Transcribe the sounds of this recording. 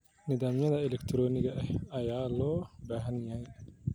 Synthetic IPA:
nɪðaːmjɐðɐɛlɛkt̪ʰɾɔːnɪɣɐʔɛhɐjaːlɔːbaːɦɐnjaj

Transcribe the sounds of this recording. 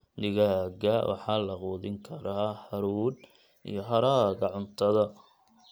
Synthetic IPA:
d̪ɪɣaɡɐwʔɑ̰ħɑlɐquːðɪŋkʰɐɾaːħɐɾuːd̪ | ʔḭjɔɦɐɾaːɣɐʕʊnt̪ʰɐðɐ

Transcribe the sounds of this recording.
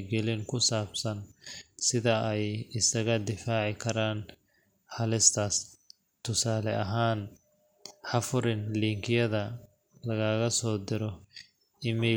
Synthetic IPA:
ɡɛlɪŋkʰʊsaːbsɐnsɪðɐɛjɪsɐɣɐd̪ɪfaːʕɪkʰɐɾaːn | ħɑlɪst̪ʰaːs | t̪ʰʊsaːlɛʔɐɦaːn | ħɑfʊɾɪnliːŋkʰɪjɐðɐ | lɐɣaːɣɐsɔːd̪ɪɾɔ | ɪmɛː

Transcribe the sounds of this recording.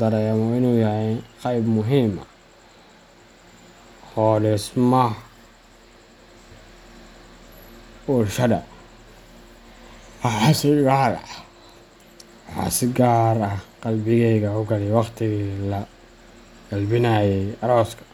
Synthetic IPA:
d̪ɐɾɛjɐmɔɪnuːjɐhɛqɑjbmʊɦiːmɐ̰ | hɔːlɛsmɐ | ʊrʃɐdɐ̰ | wɑħɑsɾaːɾ | wɑħɑ̰ːsɪɡaːɾɐhqɑlbɪɣɛjɣɐʊɡɐlɪjwɑqt̪ʰɪɣilɐ | ɡ̥ɑlbɪnaːjɛjɐɾɔːskʰɐ̥

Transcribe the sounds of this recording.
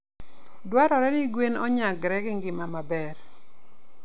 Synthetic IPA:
dwaɾɔɾɛnɪɡwenɔɲaɡɾɛɡɪŋɡɪmamabɛr

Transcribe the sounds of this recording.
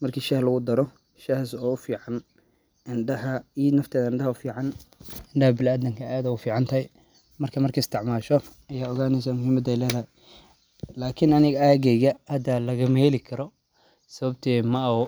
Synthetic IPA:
mɐrkʰiːʃɐhlɐɣʊd̪ɐɾɔ | ʃɐhsɔːʊfiːʕɑn | ʔɪnɖɐɦɐinɐft̪ʰɛːðɐɪɳɖɐhɐʊfiːʕɑnɪɳɖɐhɐbɪlaːd̪ɪŋkʰɐaːðɐʊfiːʕɑnt̪ʰɐɦɛj | mɐrkʰɐmɐrkʰɐɪst̪ʰɪʕmaːʃɔ | ɐjaːɔɣaːnɛs̬amʊɦiːmɐd̪ɛjlɛːðɐhɛ | laːkʰɪnɐnɪɣɐaːɣɛɣɐhɐd̪ɐlɐɣɐmɛlɪkʰɐɾɔ | sɐβɐbt̪ʰɛːmɐɔ

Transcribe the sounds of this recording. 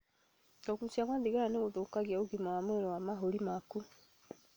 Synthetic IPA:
ɔkusjaɣaðiɣaɾaneɣoðokaɣjaoɡimawamoeɾɔwamaɦoɾimaku

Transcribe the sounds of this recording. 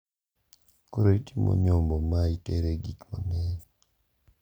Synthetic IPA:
koɾoitimo̰ɲɔmbɔmaiteɾeɡikonɪ

